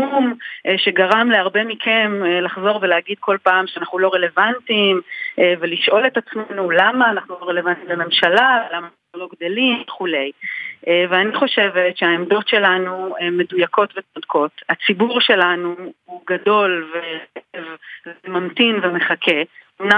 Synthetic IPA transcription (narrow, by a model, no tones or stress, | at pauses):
umʃe̞ɡaʁamleaʁbemikʰemlaχzo̞ʁveleːaɡid̪̚kʰo̞lpaːmʃeanaχnulo̞ʁe̞le̞vantimeveliʃʔo̞le̞tat͡smenulamaːnaχnulo̞ʁele̞vant̪imleme̞mʃalalamaːnaaχnulo̞ɡdelimveχule̞jeveaniχo̞ʃe̞vetʃeaemdo̞tʃe̞lanuemːe̞dujako̞tvet͡sodkʰo̞tat͡sibuʁʃe̞lanuuɡado̞lveevvemamtinveme̞χakʰeomna